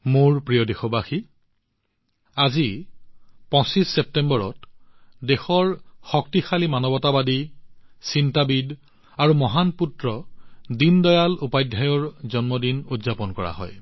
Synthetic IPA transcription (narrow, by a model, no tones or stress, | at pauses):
moɹpɹijɔdexɔbaxi | azi | pɔ̃sisːep̚tembɔɹɔ̰tdexɔɹxɔk̚tixalimanɔbɔtabadisintabid | aɹumɔɦanputɹɔdindɔjalupajdʱajɔɹzɔnmɔdinudzapɔnkɔɹa̰ɦɔ̰j